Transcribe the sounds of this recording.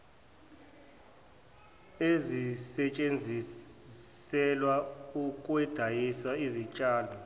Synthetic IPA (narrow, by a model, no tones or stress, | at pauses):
ezisɛt͡ʃʼend͡zʱi | sɛlwaukʼwɛd̥ʱajiswaizit͡ʃʼaːlɔ